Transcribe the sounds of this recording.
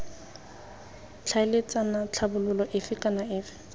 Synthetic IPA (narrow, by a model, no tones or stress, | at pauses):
t͡ɬʰaɪlet͡sʼanat͡ɬʰabʊlʊlɔʔɪfɪkʼanaɪːfɪ̥